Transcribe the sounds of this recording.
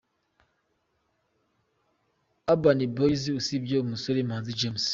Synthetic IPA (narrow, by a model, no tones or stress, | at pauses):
abaniboiziusibomusoɾimãnzid͡ʒems